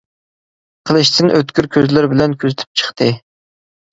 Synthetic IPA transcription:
qʰəlˠɨʃt̪ʰɨnʔøt̪kʲyɾkʲʰøzlɪɾbɪlɛnkʲʰøzɪt̪ʰy̥p̚t͡ʃʰə̥χt̪ʰɨ

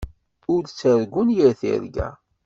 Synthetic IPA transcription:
ʊɾt͡sːəɾɡʷunjəɾθḭɾɡæ̰

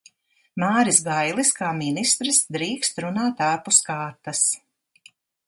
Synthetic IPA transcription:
maːɾisɡajlˠiskaːminist̪ɾisd̪ɾiːkst̪ɾunaːt̪aːpuskaːɾt̪as

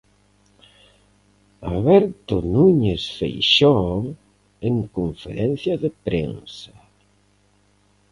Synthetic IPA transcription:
aβɛɾt̪onuɲesfḛjʃo | eŋkoɱfḛɾɛn̟θjɐðɪpɾḛnsɐ̥

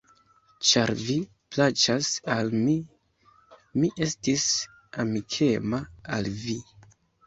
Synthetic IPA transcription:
t͡ʃaɾvi | plat͡ʃasalmi | miʔe̞stis | amikʰe̞maalvi

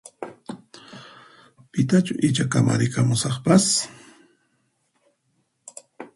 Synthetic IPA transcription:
pɪt̪at͡ʃʊʔɪt͡ʃakamʔa̰ɾɪkamʊsɑχpas

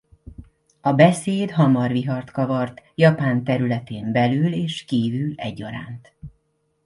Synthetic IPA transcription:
ɒbɛseːd̪ɦɒmɒrviɦɒrt̪kɒvɒrt̪jɒpaːnt̪ɛɾylɛt̪eːmbɛlyːleːʃkiːvyːlɛɟːɒ̰ɾa̰ːnt̪

